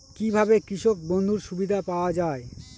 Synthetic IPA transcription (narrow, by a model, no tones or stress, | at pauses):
kibʱabekɾiʃok̚bond̪ʱuɾʃubid̪ʱapaoad͡ʑae